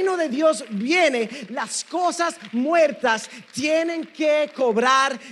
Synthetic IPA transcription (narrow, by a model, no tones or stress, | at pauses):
noðe̞ðjo̞zβjenelaskosasmweɾt̪ast̪jenẽŋkeko̞βɾaɾ